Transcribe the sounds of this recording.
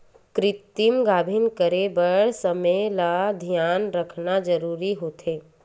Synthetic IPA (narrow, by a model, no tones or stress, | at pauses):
kɾɪt̪imɡaːbʱɪnkəɾebəɭɽ̤səmelaːd̪ʱijaːnɾəkʰnad͡ʒəɾuːɾiɦoːt̪ʰeː